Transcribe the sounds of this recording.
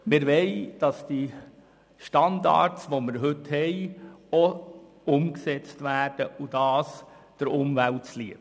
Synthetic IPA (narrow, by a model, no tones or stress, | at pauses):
mɪɾʋɛɪd̥ɑsd̥i | ʃtɑndɑ̰ːɾsʋomɪɾɦɵthɛɪɔ | ʊmksɛt͡stʋæːrd̥əʔud̥ɑːs | d̥əɾʊmvæltsliə